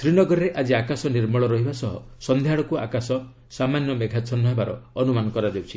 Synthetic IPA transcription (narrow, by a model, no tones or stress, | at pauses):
t̪ɾinɔɡɔɾːeʔad͡ʒiakasɔniɾmɔɭɔɾɔɦibasɔɦɔ̰sɔnd̪ʱjaɭɔkua̰kasɔ | samanjɔmeɡʱat͡ʃʰɔnɔɦebaɾɔ̰ːnumanɔkɔɾad̪ewt͡ʃʰi